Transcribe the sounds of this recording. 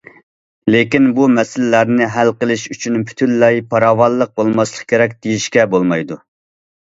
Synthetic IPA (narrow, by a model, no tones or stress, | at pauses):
lekʲinbumɛsɪlɪːæɾnɪɦælqəlˠɪʃyt͡ʃʰynpʰy̥t̪ʰynːɛjpʰɑɾɑːwɑllˠːəq̚bolˠmɑslˠəχkʲʰeɾɛk̬̚ʲd̪̥ijiʃkʲɛbolˠmɑjd̪u